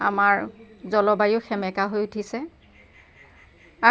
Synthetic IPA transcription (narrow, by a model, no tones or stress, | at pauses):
a̰maɹzɔlɔbajʊxɛmɛkaɦojutʰisɛ | a